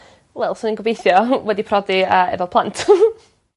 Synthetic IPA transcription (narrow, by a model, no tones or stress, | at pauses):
lɛlˠsʊnənɡəvbejθjɔwɛdipʰrɔdiəɛ̰vɛlˠpʰlˠantʰ